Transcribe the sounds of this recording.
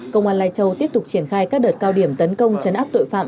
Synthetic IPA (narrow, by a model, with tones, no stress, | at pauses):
kə̰˧wŋ͡mhwaː˧nlaː˧jt͡ɕə˧˩wt̪i˦˥əp̚t̪k͡p̚t͡ɕi˧˩ənxaː˧jkaː˦˥k̚ɗəː˨˩t̚kaː˧wɗi˧˩əmt̪ə˨˦nkə˧wŋ͡mt͡ɕə˨˦nʔaː˦˥p̚t̪o̰˧˨jfa̰ː˧˨m